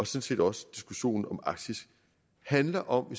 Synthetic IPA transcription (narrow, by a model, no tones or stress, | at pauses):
ɒ̽sɔ̽nsḭd̥ɒ̽sə̥d̥isɡ̥uɕo̝̰ːn̩ɒ̽mɑ̈ɡ̥̚d̥ʰisɡ̥ | hænlɐʔɒ̽mʋe